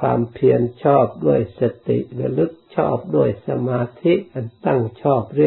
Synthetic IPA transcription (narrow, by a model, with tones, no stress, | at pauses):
a̰ː˧mpʰiənt͡ɕʰɑːp̚ɗu˩əjsat̪ḭʔɾa˧lɨ˥k̚t͡ɕʰɑ̰ː˧˩p̚ɗu˩əjsa˧maː˧t̪ʰi˥ʔʔant̪a˧ŋt͡ɕʰɑː˧˩p̚riə